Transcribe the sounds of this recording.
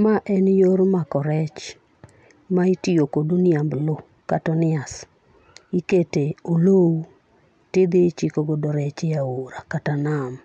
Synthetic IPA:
maʔɛnjoɾmakɔɾɛt͡ʃ | maitiokodoniamblo | katɔnɪas | iketeolou | tɪd̪ɪt͡ʃikɔɡɔdɔɾɛt͡ʃɪjaoɾakatanam

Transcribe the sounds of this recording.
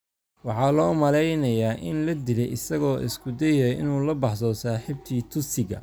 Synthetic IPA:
wɑħɑːlɔːmɐlɛjnɐjaːʔɪnlɐd̪ɪlɛjɪsɐɣɔːʔɪ̰skʰʊd̪ɛjɐɪnuːlɐbɑħsɔsaːħɪb̚t̪ʰiːt̪ʰʊsɪɣɐ̰

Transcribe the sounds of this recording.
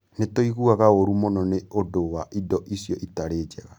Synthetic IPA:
netoiɣuaɣaoɾumonɔneodowaʔidɔʔisjɔʔitaɾeːd͡ʒɛɣa

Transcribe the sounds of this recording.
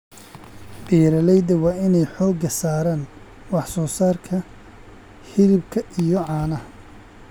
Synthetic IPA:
b̥ɛːɾɐlɛjd̪ɐwɑːɪnɛjħɔːɡɐsaːɾaːn | wɑħsɔːsaːrkʰɐ | hɪlɪb̚kʰɐʔijɔʕɑːnɐh

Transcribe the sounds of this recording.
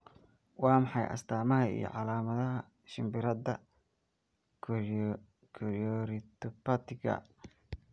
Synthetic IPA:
wɑːmɑħɑjʔɐ̰st̪ʰaːmɐɦɐḭjɞ̰ʕɑlaːmɐðɐɦɐ | ʃɪmbɪɾɐd̪ɐ | kʰɔɾɔɾɪt̪ʰɔpɐt̪ɪɡɐ̰

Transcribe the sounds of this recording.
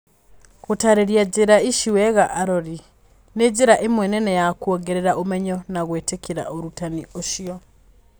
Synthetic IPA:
ɣotaɾeɾjaɟeɾaiʃiwɛɣaʔaɾoɾi | ned͡ʒeɾaʔemwɛnɛnɛjakwoɡeɾeɾaʔomɛɲɔnaɣweːtekʰeɾa̰ʔoɾutanioʃiɔ

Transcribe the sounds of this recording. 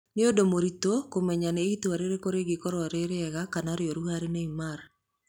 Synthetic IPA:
nɪodomoɾitokomɛɲaneitoaɾeɾekoɾeɡikoɾɔɾeɾeɛɣakanaɾjoɾuhaɾeneimaɾ

